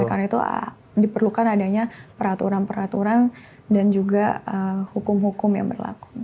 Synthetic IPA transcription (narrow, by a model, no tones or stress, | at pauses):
karnait̪ṵ | dipərlukanadaɲapəɾat̪uɾanpəɾat̪uɾan | dand͡ʒuɡaəhukʊmhukʊmja̰ŋbərla̰kʊ̥